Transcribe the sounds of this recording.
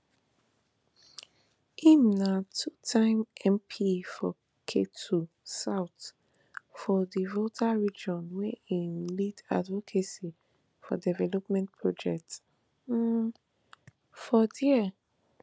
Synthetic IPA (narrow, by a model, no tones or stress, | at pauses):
inatʰutʰãɪ̃mɛ̃mpʰifɔ | kʰetʰu | saʊt | fɔdivotʰaɹid͡ʒɔ̃nweĩlida̰dvɔkʰesi | fɔ̰dɛvɛlɔpmɛ̃nt̚pʰɹɔd͡ʒɛk̚ts̩ | fɔdɛ